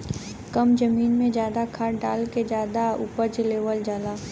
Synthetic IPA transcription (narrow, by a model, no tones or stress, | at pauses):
kəmd͡ʒɐmiːnmẽd͡ʒjaːd̪akʰaːɖaːlked͡ʒjaːd̪auːpəɾd͡ʒleːʋəld͡ʒalaː